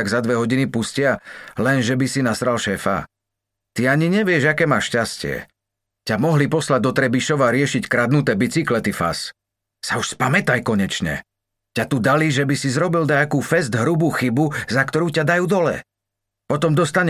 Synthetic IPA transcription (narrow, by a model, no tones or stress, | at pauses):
aɡzad̪ʋɛɦɔɟinipuscɪalɛnʒɛbisinasɾalʃɛːfa̰ | t̪iaɲiɲɛʋɪɛʒakɛːmaːʃcascɪɛ̰ | camɔɦlipɔslaɟ̚d̪ɔt̪ɾɛbiʃɔʋaɾɪɛʃickɾad̪nut̪ɛːbit͡siklɛt̪ifa̰s | sauʃspamɛt̪ajkɔɲɛt͡ʃɲɛ̰ | cat̪ud̪aliʒɛbisizɾɔbild̪aakuːfɛzd̪ɦɾubuxibuzakt̪ɔɾuːcad̪ajuːd̪ɔlɛ̰ | pɔt̪ɔmd̪ɔst̪aɲ